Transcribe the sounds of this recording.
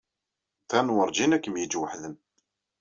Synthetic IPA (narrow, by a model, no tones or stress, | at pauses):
t̪ænwəɾˤd͡ʒinækːəmjəd͡ʒwəħðən